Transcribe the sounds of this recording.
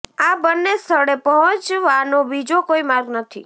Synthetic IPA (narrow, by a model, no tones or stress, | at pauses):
abənːest̪ʰəɽepəɦɔ̃t͡ʃʋanobid͡ʒokoimaɾɡnət̪ʰḭ